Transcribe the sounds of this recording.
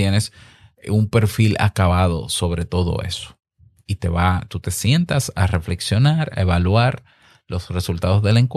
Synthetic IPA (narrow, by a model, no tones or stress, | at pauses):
jenes | umpe̞ɾfila̰kaβaðo̞̰so̞β̞ɾe̞t̪o̞ðo̞̰e̞̰so̥ | it̪e̞βat̪ut̪e̞sje̞nt̪asa̰re̞fle̞ksjo̞naɾa̰e̞βalwaɾ | lo̞sre̞sult̪aðo̞zðe̞leŋkw